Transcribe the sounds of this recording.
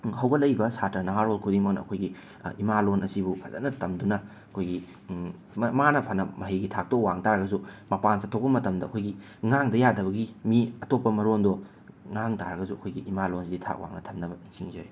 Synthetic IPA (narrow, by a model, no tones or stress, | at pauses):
hɐwɡɐlɐjbɐsatɾɐnɐɦaɾolkʰudiŋmɐk̚nɐ̰ːkʰojɡḭ | imalonɐsibupʰɐzɐ̰nɐtɐmdunɐ | ɐkʰojɡi | manɐpʰanɐmɐɦijɡitʰak̚tok̚waŋtaɾɐɡɐzumɐpansatʰowk̚bɐmɐtɐmdɐɐkʰojɡi | ŋaŋdɐjadɐβɐɡimiɐtopːɐmɐɾondɔ | ŋaŋtaɾɐɡɐzuɐ̰kʰojɡiʔimalonsiditʰa̰k̚wa̰ŋnɐtʰɐmnɐbɐsiŋzɐji